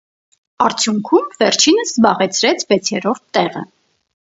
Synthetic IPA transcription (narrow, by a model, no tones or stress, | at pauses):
ɑɾt͡sʰjuŋkʰumvɛɾt͡ʃʰinəszbɑʁɛt͡sʰɾɛt͡sʰvɛt͡sʰjɛɾɔɾt̪ːɛʁə̰